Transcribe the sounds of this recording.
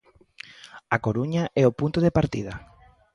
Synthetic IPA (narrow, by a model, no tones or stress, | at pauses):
akoɾuɲaʔɛopunt̪oðepaɾt̪ḭðɐ